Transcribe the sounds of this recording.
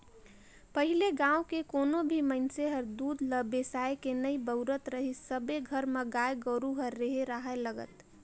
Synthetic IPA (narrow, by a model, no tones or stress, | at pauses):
pəɦileɡãːukekoːnobʱimənseɦəɾd̪uːd̪ʱləbesaːekenəibəʊɾət̪ɾəɦisəbeɡʱəɾmeɡaːjɡəɾuɦəɾːeɦeɾaɦɛləɡə̰t̪